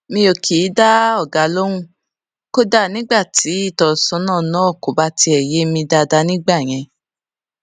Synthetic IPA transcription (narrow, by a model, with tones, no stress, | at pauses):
mĩ˧o˨kʰi˨˦da˦ɔ˦˨ɡa˨˦lo˦ɾũ˦˨ | ko˦da˦˨nĩ˦ɡ͡ba˦˨ti˨˦i˦˨tɔ˨sɔ̃˧˦nãː˦˨nãː˦˨ko˨˦ba˦ti˧ɛ˨je˨˦mĩ˧da˧da˧nĩ˦ɡ͡ba˦˨j̃ɛ̃˧